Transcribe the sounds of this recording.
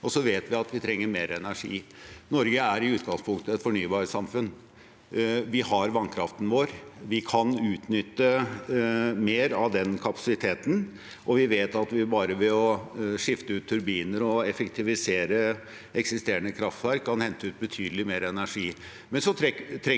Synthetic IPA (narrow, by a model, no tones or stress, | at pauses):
ɔsɔʋeːt̪ʋɪɑt̪ʋɪt̪ʰɾɛŋːəɾmeːɾɛnæʂḭːnɔɾɡəæɾɪʉːt̪ɡɑŋspʰʊŋkt̪əɛt̪fɔɳyːbɑːɾəsɑmfʉn | ʋɪhɑɾʋɑnkʰɾɑft̪n̩ʋoːɾʋɪkʰɑnʉːt̪nʏt̪ːə | meːɾɑʋd̪ɛnkʰɑpɑ̥sɪt̪ʰeːt̪n̩ | ʔɔʋɪʋeːt̪ɑt̪ʋɪbɑːɾəʋɛɔʂɪft̪əʉːt̪ʰːʉɾbiːnəɾɔɛfɛkt̪ʰɪʋɪseːɾə | ʔɛksɪst̪eːɾəɳəkʰɾɑft̪ʋæɾkʰːɑnhɛnt̪əʉːt̪̚bət̪ʰyːd̪əlɪmeːɾɛnæʂiː | mɛnsɔt̪ʰɛt̪ʰɾɛ